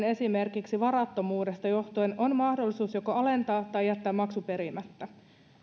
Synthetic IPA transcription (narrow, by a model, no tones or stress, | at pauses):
ne̞sime̞rkiksiʋɑrɑt̪ːo̞muːde̞st̪ɑjo̞ht̪ueno̞nmɑhdolːisuːsjoko̞ɑle̞nt̪ɑːt̪ɑjːæt̪ːæːmɑksupe̞ɾimæt̪ːæ